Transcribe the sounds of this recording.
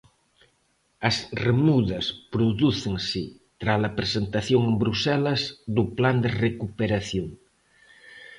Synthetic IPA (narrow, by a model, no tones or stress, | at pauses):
ɐsremuðɐspɾuðuθeŋsɪ | t̪ɾalapɾesent̪aθjoŋembɾusɛlɐzðupland̪erekupeɾaθjoŋ